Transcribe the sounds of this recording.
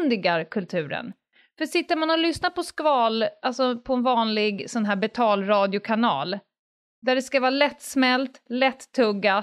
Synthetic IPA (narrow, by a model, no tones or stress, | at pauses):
nd̪ɪɡaɾkʰɵlt̪ʰʉ̟ːɾə̰n | fœʂɪt̪ːəmanɔlʏsnapɔskvɑːlʔalsɔpʰɔɛnvɑːnlɪɡsɔnɦæːbɛt̪ʰɑːlɾɑːd̪ɪʊkʰanɑ̰ːl | d̪æɖɛskavɑːɾlɛt̪ːsmɛlt̪lɛt̪ʰːɵɡːa